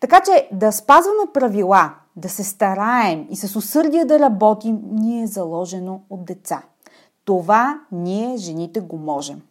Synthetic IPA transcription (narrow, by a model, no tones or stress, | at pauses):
t̪ɐkat͡ʃɛd̪ɐspazvɐmɛpɾɐvilˠa | d̪ɐsɛst̪ɐɾaɛmisɐsosɤɾd̪iɛd̪ɐɾɐbɔt̪imniɛzɐlˠɔʒɛnood̪̚d̪ɛt̪sa | t̪ovaniɛʒɛnit̪ɛɡomɔʒɛm